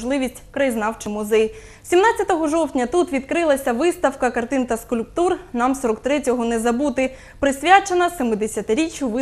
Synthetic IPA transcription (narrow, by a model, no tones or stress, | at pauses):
ʒlˠɪʋʲisʲtʲkɾɐjiznɑwt͡ʃɪmʊzɛj | sʲimnɑtt͡sʲjɐt̪ɔɦɔʒɔwtʲnʲɐt̪ut̪ʋʲid̪kɾɪlˠɐsʲɐʋɪst̪ɐwkɐkɐrt̪ɪnt̪ɐskulʲp̚t̪urnɑmsɔɾɔk̚t̪ɾɛtʲɔɦɔnɛzɐbut̪ɪ | pɾɪsʲʋʲat͡ʃenɐsemɪd̪esʲɐt̪ɪɾʲit͡ʃʲjʊʋɪ